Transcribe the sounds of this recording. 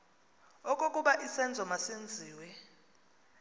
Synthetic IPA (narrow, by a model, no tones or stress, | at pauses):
ɔkʼokʼuɓaʔisɛnd͡zʱɔmasend͡zʱiːwɛ